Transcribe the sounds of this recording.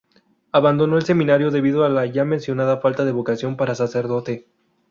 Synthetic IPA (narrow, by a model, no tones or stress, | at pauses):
aβand̪o̞no̞else̞mĩnaɾjo̞ðe̞βið̞oalaʝamensjo̞nað̞afalt̪aðe̞βo̞kasjo̞mpaɾasase̞ɾðo̞t̪e̞